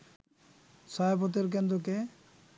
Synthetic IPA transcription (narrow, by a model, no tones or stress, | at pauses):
sapɔt̪eɾk̬end̪ɾoke